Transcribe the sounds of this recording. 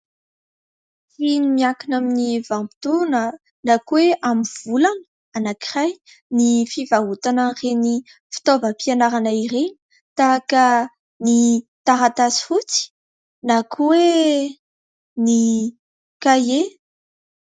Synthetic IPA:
finimiakinaminivampi̥t̪unə | nakweʔamiv̥ulan | anakiraj | nifivaɦut̪anəreni | fi̥t̪ovəpianaɾanaiɾeni̥ | t̪akə | nit̪aɾat̪asi̥fut͡si̥ | nakʰuwe | ni | kaje

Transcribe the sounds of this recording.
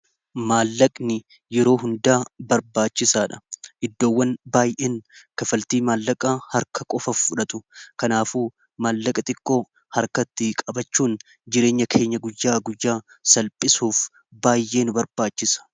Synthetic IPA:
maːlːɐkʼnɪ | jɛɾo̞ːɦʊnd̪aːbɐɾbaːt͡ʃːɪsaːᶑɐ̥ʔɪd̪ːo̞ːwːɐnbaːjʔeːnkɐfɐlt̪iːmaːlːɐkʼaːhɐɾkɐkʼɔfɐffʊᶑɐt̪ʼʊkɐnaːfuː | maːlːɐkʼɐt̪ʼɪkʼːoː | hɐɾkɐt̪ːɪkʼɐbɐt͡ʃːuːn | d͡ʒɪɾe̞ːɲːɐkʰe̞ːɲːɐɡʊjːaːɡʊjːaː | sɐlpʼːɪsuːf | baːjʔe̞ːnʊbɐɾbaːt͡ʃːɪsɐ̥

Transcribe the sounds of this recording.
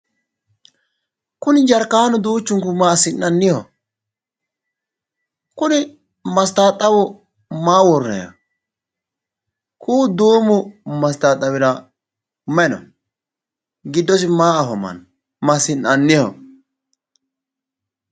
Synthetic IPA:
kʊnɪd͡ʒɐɾkaːnɔd̪uːt͡ʃːʊŋkʊmaːsɪnːɐnːɪhɔ̰ | kʊnɪ | mɐst̪aːt̪ʼːɐwʊ | maːwɔɾnɐ̰jɐ̰ | kʰuːd̪uːmʊmɐst̪aːt̪ʼːɐwɪɾɐ | mɛnɔ̰ | ɡɪd̪ːɔsɪmaːɐɦɔmɐ̰n | mɐsɪnɐnːɪhɔ̰

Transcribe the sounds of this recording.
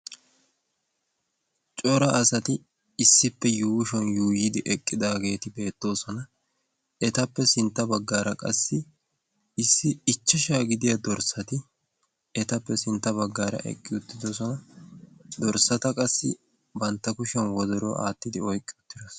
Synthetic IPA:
t͡ʃʼɔɾɐɐsɐt̪ɪ | ɪsːɪpːɛjuːʃɔnjuːjɪd̪ɪʔɛkʼːɪd̪aːɡe̞ːt̪ɪbe̞ːt̪ːo̞ːsɔnɐ | ɛt̪ɐpːɛsɪnt̪ːɐbɐɡːaːɾɐkʼɐ̰sːɪ | ɪsːɪɪt͡ʃːɛʃaːɡɪd̪ɪjɐd̪ɔɾsɐt̪ɪ | ɛt̪ɐpːɛsɪnt̪ːɐbɐɡːaːɾɐ̰ʔɛ̰kʼːɪʊt̪ːɪd̪osɔnɐ | d̪ɔɾsɐt̪ɐkʼɐsːɪ̰ | bɐnt̪ːɐkʊʃɛnwɔd̪ɔɾɔ̰a̰ːt̪ːɪd̪ɪɔjkʼːɪʊt̪ːɪd̪os

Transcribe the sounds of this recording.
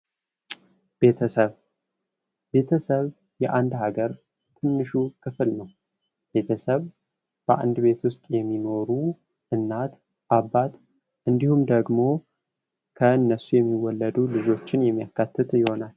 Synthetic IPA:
b̥e̞t̪ʰəsəβ | be̞t̪ʰəsəβ | jɛʔand̪ɦaɡəɾ | t̪ʰɨnːɨʃukʰɨfɨlnəw | b̥e̞t̪ʰəsəβ | b̥əʔa̰nd̪be̞t̪wʊst̪ʼjɛmːino̞ɾu | ʔɨnːat̪ | ʔabːat̪ | ʔɨnd̪ihumd̪əɡmo̞ | kʰəɨnːəsujɛmːiwːɔlːəd̪ulɨd͡ʒo̞t͡ʃːɪnjɛmːijakːat̪ʰːɨt̪jɪho̞nal

